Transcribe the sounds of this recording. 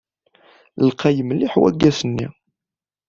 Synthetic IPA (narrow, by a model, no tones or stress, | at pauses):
lqʰæjəmlːiħwæ̰ɡːæsənːḭ